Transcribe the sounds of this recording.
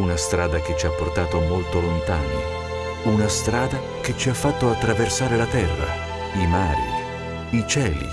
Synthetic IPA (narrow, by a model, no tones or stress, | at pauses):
unast̪ɾaːd̪aket͡ʃːiapːort̪aːt̪omolt̪olont̪aːno | unast̪ɾaːd̪a | ket͡ʃiafːat̪ːoat̪ːɾaversaːɾelat̪ɛrːa̰ | imaːɾḭ | it͡ʃɛːlḭ